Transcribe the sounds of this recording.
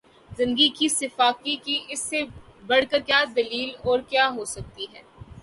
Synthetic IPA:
zɪ̃nd̪ɡikisɪfaːkikiʔɪsːebɐɽ̤kəɾkjaːd̪ɐliːlɔːɾkjaːɦosɐk̚t̪iɦɛː

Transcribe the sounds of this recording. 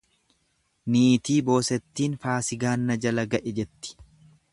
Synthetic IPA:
niːt̪iːbo̞ːsɛt̪ːiːnfaːsɪɡaːnːɐd͡ʒɐlɐɡɐʔɛd͡ʒɛt̪ːɪ̥

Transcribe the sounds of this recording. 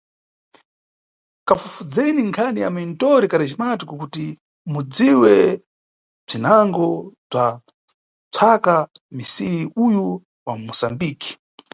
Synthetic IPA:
kafufud͡zɛniŋkʰaniamintɔɾikaɾiʃimatikukuti | mud͡ziwɛ | b͡ʐinaŋɡɔb͡ʐa | t͡sʰakamisiɾiuju | wamusambiːki̥

